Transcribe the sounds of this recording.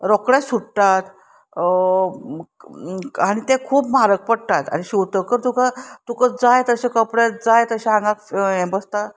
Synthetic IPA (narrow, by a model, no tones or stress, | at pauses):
ɾɔkɽẽsuɽt̪at̪ | aɽ̃it̪ekʰuːpmaɾək̚pəɽt̪at̪a̰niɕuʋt̪əkəɾt̪ukat̪ukad͡zajt̪əɕekəpɽed͡zajt̪əɕeãŋɡakɛ̃bəst̪a